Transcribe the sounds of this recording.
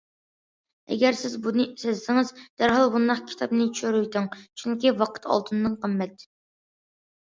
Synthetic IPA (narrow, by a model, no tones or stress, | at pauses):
ɛ̰ɡʲɛɾsɪzbunɨsɪzsɪŋɨzd̪̥æɾɦɑlˠbund̪ɑχkʲʰi̥t̪ʰɑpnɨt͡ʃʰy̥ʃøɾyjt̪ʰɪŋt͡ʃʰyŋkʲivɑqʰə̥t̪ʰɑ̰lˠt̪ʰɨnːɨŋqəmːɛt̪